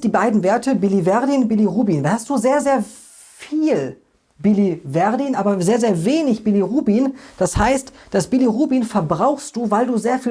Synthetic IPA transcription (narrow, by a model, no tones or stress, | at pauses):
d̥iːbaɪdn̩veːɐtəbilivɛɐdinbiliʁuːbiːnhast̚d̥uːzeːɐzeːɐ | fiːl | bilivɛɐdinʔaːbɐzeːɐzeːɐveːnɪçb̥iliʁuːbiːnd̥ashaɪstd̥asb̥iliʁuːbiːnfɛɐbʁaʊxst̚d̥uːvaɪlduːzeːɐfiː